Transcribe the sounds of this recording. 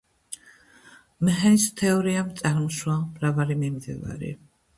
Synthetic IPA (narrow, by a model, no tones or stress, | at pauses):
mɛɦɛnist̪ʰɛɔɾiamt̪sʼaɾmɔʃwamɾavaɾimimd̪ḭva̰ɾḭ